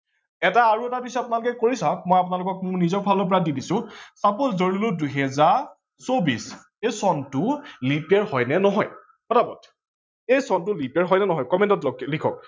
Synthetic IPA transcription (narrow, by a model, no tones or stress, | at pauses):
ɛtaːɹuɛtabisɔapʊnalʊkɛkoɹisak̚mɔjapʊnalʊkɔk̚mʊɹnizɔpʰalop̬ɔɹadidisʊ̃saposzoɹiloduɦɛzaɹ | sobis | ejsɔntʊlipɛɹhɔjnɛnɔɦɔj | xɔtabɔ̰tʰ | ejsɔntʊlipɛɹɦɔjnɛnɔɦɔjkɔmɛ̃ntɔtklikʰɔk̚